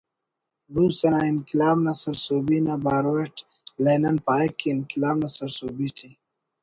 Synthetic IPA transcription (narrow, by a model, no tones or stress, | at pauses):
ɾuːsɐnainkilaːbnɐsɐɾsoːbinabaːɾweʈ | leːnɐnpaːekːinkilaːbnɐsɐɾsoːbiʈʰi